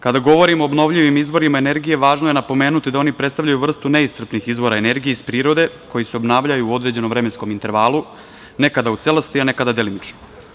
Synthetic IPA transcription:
kad̪aɡo̞ʋo̞ɾimo̞ːbno̞ʋʎiʋimizʋo̞ɾimaene̞ɾɡije̞ʋaːʒnoje̞napo̞me̞ːnut̪id̪ao̞nipɾet̪st̪aʋʎajuvr̩st̪une̞ist̪r̩pnixizʋo̞ɾaene̞ɾɡijeispɾiːɾo̞d̪e̞ko̞jiseobnaːʋʎajuod̪ɾe̞d͡ʑeno̞mʋɾe̞mensko̞mint̪e̞ɾʋaːlˠu | ne̞kad̪aut̪selost̪iane̞kad̪ad̪elimit͡ʃno

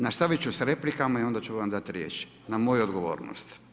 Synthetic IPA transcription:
nast̪aʋit͡ʃusɾe̞plikamaio̞nd̪at͡ʃuʋamd̪at̪iɾjḛːt͡ʃ | namojuod̪ɡo̞ʋo̞̰ːɾno̰st̪

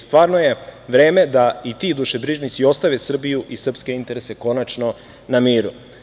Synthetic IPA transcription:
st̪ʋaːɾnoje̞ʋɾeːme̞d̪ait̪id̪uʃebɾiʒnit̪sio̞st̪aʋesr̩bijuʔisr̩pske̞int̪e̞ɾese̞ko̞nat͡ʃno̞ | namiːɾu

